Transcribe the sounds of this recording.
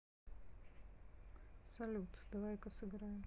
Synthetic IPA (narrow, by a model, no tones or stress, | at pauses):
sɐlʲut̪d̪̥ɐvajkɐsɨɡɾajɪm